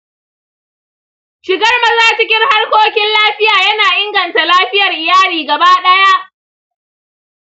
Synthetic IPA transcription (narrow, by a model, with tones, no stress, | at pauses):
ʃɪ˨ɡɐ˦rmɐ˨zaː˦t͡ʃɪ˦kʲɪ˦ŋha˦rkʷoː˦kʲɪ˦nlaː˦ɸɪ˦jaː˨jɐ˦naː˨ʔɪ˦ŋɡɐ˨nta˨laː˦ɸɪ˦jɐ˨rʔɪ˨jaː˦liː˨ɡɐ˨baː˦ɗɐ˦ja˦ʔ